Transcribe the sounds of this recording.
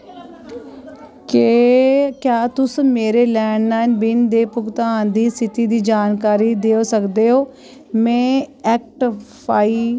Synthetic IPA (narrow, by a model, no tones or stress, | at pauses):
kekjaːt̪ʊsmeːɾeːlɛːɳnaːɪnbɪnd̪eːpʊkt̪aːnd̪iːsɪt̪iːd̪iːd͡ʒaːnkaːɾiːd̪eːoːsəkd̪eːɦoː | mɛ̃ːɛːk̚ʈpaːiː